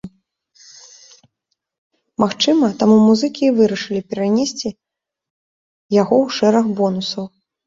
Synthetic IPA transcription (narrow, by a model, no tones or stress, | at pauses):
maxt͡ʂɨmɐt̪amumuzɨkʲivɨɾɐʂɨlʲipʲɛɾanʲesʲt͡sʲi | jaɣɔwʂɛɾɐxbɔnusɐw